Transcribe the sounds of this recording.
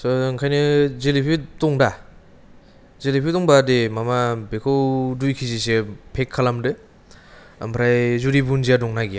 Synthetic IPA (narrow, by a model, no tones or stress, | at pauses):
sɔŋkʰajnɯzelipʰitɔŋda | zelipʰitɔŋbademamabekʰɔwdujkʰizisepʰekʰːalamdɯ | a̰mpʰɾajzuɾibunzijadɔŋnaɡi